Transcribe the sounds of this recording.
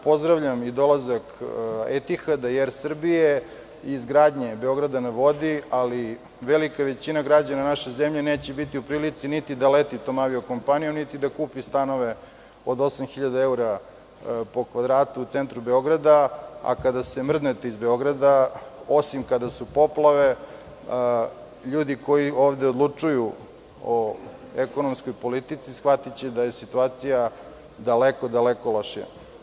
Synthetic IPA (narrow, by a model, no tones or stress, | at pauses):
po̞zd̪ɾaʋʎamid̪o̞lazakḛt̪ixad̪ajeɾsr̩bijeː | zɡɾaːd̪ɲe̞beo̞ɡɾad̪aneʋo̞d̪iali | ʋelikaʋe̞t͡ɕinaɡɾad͡ʑananaʃezemʎeneːt͡ɕebit̪iupɾiːlit̪sinit̪id̪alet̪it̪omaʋioko̞mpanijo̞mnit̪id̪akuːpist̪ano̞ʋe | od̪o̞samxiʎad̪aeuɾa | po̞kʋad̪ɾaːt̪uːt̪sent̪ɾube̞o̞ɡɾad̪aa̰kad̪asemr̩d̪net̪eizbeo̞ɡɾad̪ao̞simkad̪asupo̞plˠaʋe̞ | ʎuːd̪iko̞jio̞ːʋd̪eod̪lˠut͡ʂuju | o | eko̞nomskojpo̞lit̪it̪sisxʋat̪it͡ɕɛd̪aje̞sit̪uaːt̪sija | d̪alekod̪alekoloʃa̰